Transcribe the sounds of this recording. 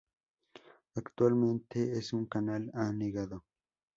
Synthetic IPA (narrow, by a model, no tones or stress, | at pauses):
ɐkt̪ʊalment̪eːsʊŋkɐnalaːniɡɐðɐ